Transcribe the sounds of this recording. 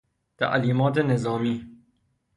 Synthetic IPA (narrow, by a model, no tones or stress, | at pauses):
t̪ʰa̰ʔliːmɒːt̪enezɑːmiː